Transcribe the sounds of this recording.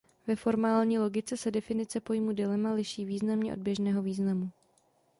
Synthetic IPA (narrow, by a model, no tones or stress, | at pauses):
vɛfo̞ɾmaːlɲiːlo̞ɡɪt͡sɛsɛdɛfɪnɪt͡sɛpo̞jmudɛlɛmalɪʃiːviːznamɲɛʔo̞d̚bjɛʒnɛːɦo̞viːznamu